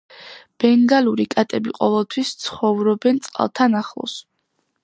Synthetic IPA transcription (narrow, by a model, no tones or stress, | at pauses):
b̥ɛŋɡaluɾikʼat̪ʼɛbiqʼɔvɛlˠt̪ʰwist̪sʰχɔvɾɔbɛnt̪sʼqʼa̰lˠt̪ʰanaχlˠɔ̰s